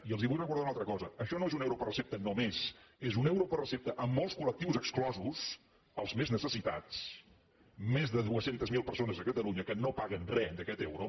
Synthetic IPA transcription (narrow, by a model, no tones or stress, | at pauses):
iəlˠziβujrəkuɾðawunalˠt̪ɾəkɔzəəʃɔnoezunɛwɾopərəsep̚t̪ənomezezunɛwɾopərəsep̚t̪əʔəmːɔlˠskulək̚t̪iwzəksklɔzus | əlˠzmeznəsəsit̪a̰t͡s | mezðəðuəsent̪əzmilˠpəɾsonəzðəkət̪əluɲəkənopaɣənrɛd̪əkɛt̪ewɾo